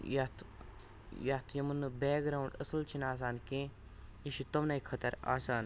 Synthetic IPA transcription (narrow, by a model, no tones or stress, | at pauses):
jɐt̪ʰ | jat̪ʰjɐmɐnːɨbeːɡɾaːwuɳɖɐ̰sɨlt͡ʃʰinaːs̬aːnkẽː | jiʃit̪ɐmnɐikʰɐt̪ɐɾa̰ːsaːn